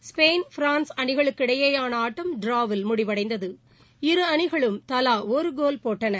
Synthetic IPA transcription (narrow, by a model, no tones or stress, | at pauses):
speːnfɾaːnsɐɳɪɣɐɭɯkːɪɽɐjɐjaːnɐaːʈːɐmɖɾaːʋɪlmʊɽɪʋɐɽɐɪnd̪ɐðɯ | ɪɾɯɐɳɪɣɐɭɯmt̪ɐlaːɔɾɯɡoːlpoːʈːɐnɐ